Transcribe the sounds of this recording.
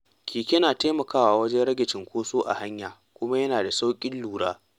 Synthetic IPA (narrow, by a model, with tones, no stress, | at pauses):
kʰʲiː˨kʲe˦naː˨teː˦mɐ˨kaː˦waː˨wɐ˦d͡ʒɛ˦ɽɐ˦ɡʲɪ˨t͡ʃɪ˨ŋkʷoː˦soː˦ʔa̰˨ha˦ɲjaː˨ | kʷʊ˦ma˦jɐ˦naː˨da˨sa˦wkʲʼɪ˦nluː˨ɽaː˦